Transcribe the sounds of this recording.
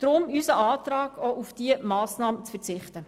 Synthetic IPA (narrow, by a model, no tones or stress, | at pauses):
d̥ɾʊmysəɑːtɾɑːɡoʔufd̥iəmɑːsnɑːmət͡sfɛɾt͡sɪχtə